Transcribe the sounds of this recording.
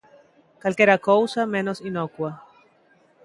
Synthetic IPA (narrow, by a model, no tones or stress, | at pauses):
kalkeɾakowsamẽnosinokwa